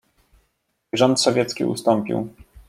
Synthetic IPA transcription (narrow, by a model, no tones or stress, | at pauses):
ʐɔnt̪sɔvʲjɛt̪skʲḭṵst̪ɔmpʲḭw